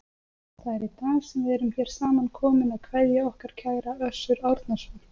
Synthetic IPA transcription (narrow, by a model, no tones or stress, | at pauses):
θaðɛɾit̪aːsɛmvɪðɛɾʏmçɛːɾ̥saːmankʰɔːmɪnaðkʰvɛðjaɔhkaɾ̥cʰaːjɾaœsːʏɾawɾt̪nasɔl